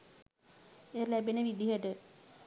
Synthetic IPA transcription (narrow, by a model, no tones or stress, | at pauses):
elæbenəʋid̪iɦəʈə